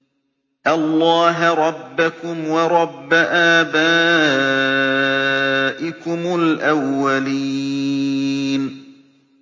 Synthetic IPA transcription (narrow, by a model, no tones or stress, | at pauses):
ʔalˤːɑːɦɾˤɑbːakʊmwɑɾˤɑbːaʔaːbaː | ʔɪkʊmʊlʔawːaliː | n